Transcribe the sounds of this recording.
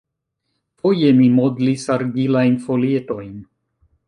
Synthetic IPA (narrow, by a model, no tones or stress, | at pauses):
fo̞je̞mimodlisaɾɡilajnfo̞lieto̞jn